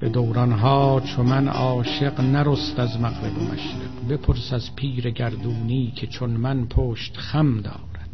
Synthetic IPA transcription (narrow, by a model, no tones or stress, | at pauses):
b̥e̞d̪owɾɒnɦɒːt͡ʃʰomænɒːʃe̞qnæɾost̪æzmæqɾebo̰mæ̰ʃɾḛqbe̞pʰoɾsæzpʰiːɾeɡæɾd̪uːniːcʲʰet͡ʃʰonmænpʰoːʃt̪xæmd̪ɒ̰ːɾæd̪̥